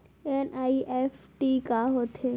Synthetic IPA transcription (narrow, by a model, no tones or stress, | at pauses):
enaiʔefʈikaɦot̪ʰe